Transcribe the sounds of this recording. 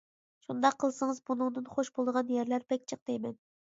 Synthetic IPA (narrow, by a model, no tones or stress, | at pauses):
ʃund̪ɑqʰːəlˠsɨŋɨzbunuŋd̪ɨnχoʃbolˠd̪əʁɑnjɛɾlæɾpʰɛkʲt͡ʃʰəq̚t̪ɛjmɛn